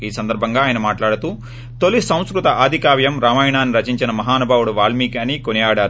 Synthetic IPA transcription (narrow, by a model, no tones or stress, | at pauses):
iːsɐnd̪ɐɾbʱɐŋɡaːjɐnɐmaːʈlaːɽut̪uː | t̪olisɐ̃w̃skɾut̪ɐʔaːd̪ʱikaːʋjɐmɾaːmaːjɳaːnːiɾɐt͡ʃiɲt͡ʃinɐmɐɦaːnubʱaːwuɽuʋaːɭmiːkaːniːkonijaːɽaːɾu